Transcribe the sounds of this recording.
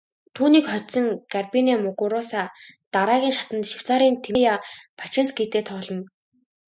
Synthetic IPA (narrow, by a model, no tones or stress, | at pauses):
t̪ʰuːniːkχɔt͡sɞ̆ŋɡarpinamʊɣʊɾʊsaːt̪aɾaːɣʲiːŋʃat̪ə̆nt̪ʃʊw̥t͡saːɾiːnt̪ʰejapʰḁt͡ɕɪ̆nsɡet̪eːt̪ʰɔːɮɞ̆n